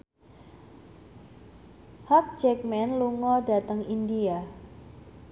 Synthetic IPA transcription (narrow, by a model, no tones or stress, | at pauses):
hak̚d͡ʒɛk̚mɛnluŋɔda̤t̪əŋindia